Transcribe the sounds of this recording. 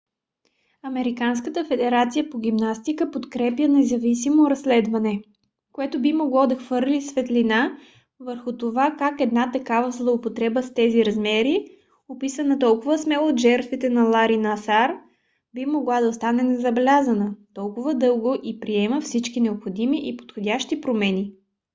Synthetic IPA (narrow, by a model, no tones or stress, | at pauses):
ɐmɛɾikanskət̪əfɛd̪ɛɾat̪sijəpoɡʲimnast̪ikəpot̪kɾɛpjənɛzɐvisimoɾɐslɛd̪vɐnɛ | koɛt̪obimoɡlˠɔd̪ɐxv̥ɤɾlʲisvɛt̪lʲina | vəɾxʊt̪ovakakɛd̪nat̪ɐkavəzlˠopot̪ɾɛbəst̪ɛziɾɐzmɛɾi | opisənɐt̪ɔlˠkʊvəsmɛlˠood̪ʒɛɾt̪vit̪ɛnɐlˠaɾinɐːsaɾ | bimoɡlˠad̪ɐst̪anɛnɛzɐbɛlʲazənət̪ɔlˠkʊvəd̪ɤlˠɡoʔipɾiɛməfsit͡ʃkinɛopxod̪imiʔipo̥t̪xodʲaʃt̪ipɾomɛnʲi